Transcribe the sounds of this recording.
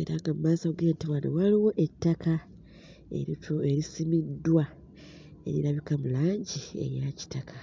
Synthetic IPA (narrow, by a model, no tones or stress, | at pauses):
e̞ɾaŋɡamumaːsauɡiɾantiβanowaliwo̞ʔe̞tːaka | ḛɾieɾisimidːwa | e̞̰ɾḭɾaβikamulaːɲɟiḛjaci̥takʰa